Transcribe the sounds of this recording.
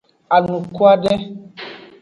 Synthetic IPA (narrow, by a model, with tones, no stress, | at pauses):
a˨nũ˨kwa˦dɛ˦